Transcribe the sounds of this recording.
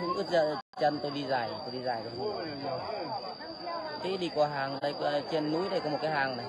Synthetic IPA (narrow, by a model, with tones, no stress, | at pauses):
ʊ̰˧˥ŋ͡mʔɨ̰˦˥t̚zə̰ː˧˨t͡ɕə˧nt̪o˧jɗi˧zaː˨˩jt̪o˧jɗi˧zaː˨˩jɗə˨˩˧ | t͡ɕi˧˦ɗi˧˩kwa˧˩ɦaː˨˩ŋɗə˧jkɔ˧˨˧t͡ɕe˧nːu˧˦jɗə˧jkɔ˨˧˦m˨˩t̚kaː˨˦jɦaː˨˩ŋna˨˩j